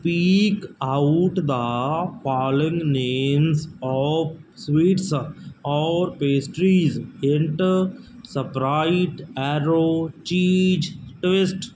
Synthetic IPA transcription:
piːkaʊʈd̪əpɔːlɪ̃ŋɡnẽːmzɔʋ | sʋiːʈsɔːɾpeːsʈɾizẽɳʈəɾ | səpɾaɪʈɛɾoːt͡ʃiːd͡ʒʈʋɪsʈ

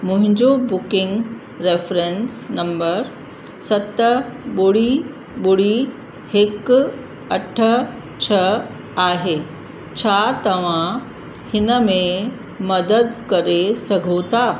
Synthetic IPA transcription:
mʊ̃ɦɪ̃ɲd͡ʑobʊkɪ̃ŋɡ | ɾeːfɾẽnsnɐ̃mbəɾ | sɐt̪əɓʊɽ̤i | ɓʊɽ̤i | hɪk | ɐʈʰə | t͡ɕʰɐ | aːɦeː | t͡ɕʰaːt̪ɐʋ̤ã | hɪnəmẽ | mɐd̪əd̪kɐɾesɐɡʱot̪ʰaː

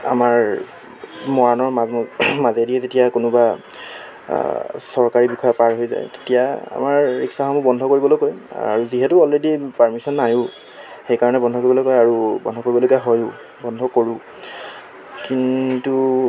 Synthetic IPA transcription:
a̰maɹ | mɔanɔɹamazediɛzetijakunʊba | sɔɹkaɹibikʰɔjapaɹɦojza̰jte̥tijaa̰maɹːiksaxɔmubɔndʱɔkoɹibɔlokoja̰ɹuziɦɛtʊɔlɹedipaɹmisɔnːajʊ̃ | xejkaɹɔnɛbɔndʱɔkoɹibɔlojkɔjaɹubɔ̰ndʱɔkoɹibɔlojkaɦojʊ | bɔndʱɔkoɹũ | kintu

